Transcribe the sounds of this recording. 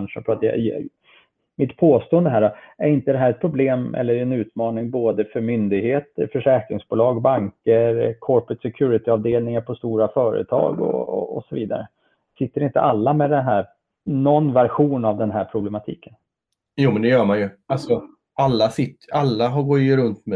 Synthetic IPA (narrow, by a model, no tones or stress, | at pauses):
nʂəfɾat̪j̰ | mɪt̪pʰoːst̪oːənd̪əɦæːɖɔæɾɪnt̪əd̪ɛɦæːɾɛt̪̚pʰɾʊbleːmɛ̰lːəɾɛnʉ̟ːt̪mɑːnɪŋboːd̪əfœɾmʏnd̪ɪɡheːt̪əɾfœʂɛːkɾɪŋsbʊːlɑːɡbaŋkəɾkʰɔɾpɾɛt̪sɛkʰʉːɾɪt̪ɪɑːvd̪eːlnɪŋaɾpʰɔst̪uːɾafœːɾə̰t̪ʰɑ̰ːɡɔ̰ɔ̰ɔsɔviːd̪a̰ɾə̰ | sɪt̪ːəɾɪnt̪ə̰ʔalːamɛd̪ɛnɦæːɾ | nɔnːvæɾɧuːnavd̪ɛnɦæːɾpʰɾʊblɛmat̪ʰḭːkən | juːmɛnd̪ɛjœːmanjɵalsɔ | alːasɪt̪ːʔalːaɦaɡɔɾɵnt̪mɛ